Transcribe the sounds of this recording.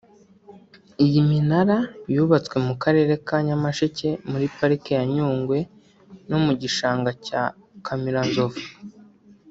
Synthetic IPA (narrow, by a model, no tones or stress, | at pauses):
ijiminaɾajuːβat͡swe̞mukaɾe̞ːɾe̞kaɲamaʃice̞muɾipaɾikejaɲuːŋɡwe̞ | nomuɟiʃaːŋɡaca | kʰamiɾanzo̞vu